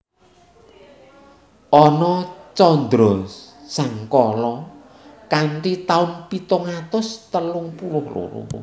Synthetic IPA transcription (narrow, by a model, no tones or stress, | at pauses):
ʔɔnɔt͡ʃɔnd̪ɾɔsaŋkɔlɔ | kaɳʈit̪aʊnpit̪ʊŋat̪ʊst̪əlʊŋpulʊhlṵɾṵṵ